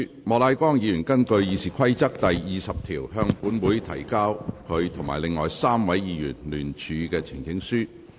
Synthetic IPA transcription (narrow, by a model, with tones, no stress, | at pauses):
mɔː˨˧laː˨˧jkɔː˥ŋjiː˨˧jyː˨˩nkɐ˥nkɵ˧ɥjiː˨˧siː˨kʰɐ˥jt͡sɐ˥k̚t̪ɐ˨jjiː˨sɐ˨p̚t̪ʰiː˨˩wɦœː˧ŋpuː˨˥nwuː˨˥jt̪ʰɐ˨˩jkaː˥wkʰɵ˨˧ɥt̪ʰʊ˨˩ŋmaː˨˩jlɪ˨ŋːɔː˨jsaː˥mwɐ˨˥jjiː˨˧jyː˨˩nlyː˨˩nt͡ʃʰyː˨˧kɛː˧t͡sʰɪ˨˩ŋkɪ˨˧˥ŋsyː˥